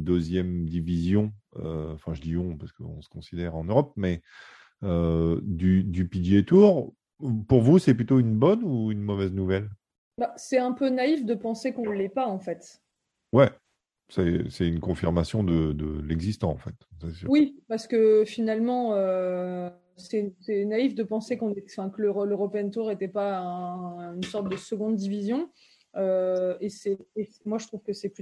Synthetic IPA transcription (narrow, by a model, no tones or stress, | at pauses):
d̪øzjɛmd̪ivizjɔ̃øɑ̃fɛ̃ʒəd̪iɔ̃paʁskəɔ̰̃sə̥kɔ̃sid̪ɛʁɑ̃nøʁɔp̚mɛ | ød̪yd̪ypid̪jet̪uːʁ | puʁvusɛplyt̪oynbɔnuynmɔvɛznuvɛl | basɛɛ̃pønaifd̪əpɑ̃sekɔ̃ləlɛpaɑ̃fɛt̪ | wɛ | sɛsɛynkɔ̃fiʁmasjɔ̃d̪əd̪ə̰lɛɡzist̪ɑ̃ɑ̰̃fɛt̪sɛswipaʁsə̥kəfinalmɑ̃ø | sɛsɛnaifd̪əpɑ̃sekɔ̃nɛfɛ̃kələʁɔləʁɔpɛnt̪uʁet̪ɛpaɛ̃ynsɔʁt̪̚d̪əsəɡɔ̃d̪d̪ivizjɔ̃ | øesɛesmwaʒət̪χuv̥kəsɛpy